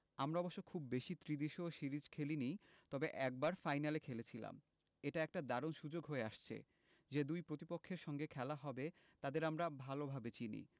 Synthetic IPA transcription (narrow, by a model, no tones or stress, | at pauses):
amɾaɔboʃːokʰubbeʃit̪ɾid̪iʃoʃiɾid͡ʑkʰelinit̪ɔbeʔɛk̚baɾfajnalekʰelet͡ɕʰila̰m | eʈaɛk̚ʈad̪aɾonʃud͡ʑoɡɦoeaʃt͡ɕʰḛ | d͡ʑed̪ujpɾot̪ipokʰːeɾʃɔŋɡekʰɛlaɦɔbe | t̪ad̪eɾamɾabʱalobʱabet͡ɕinḭ